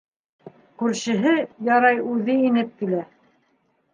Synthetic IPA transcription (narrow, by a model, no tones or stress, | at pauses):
kʉɾʃɘ̆ɦɘjɑɾɑjʉðɘinɘp̚kilæ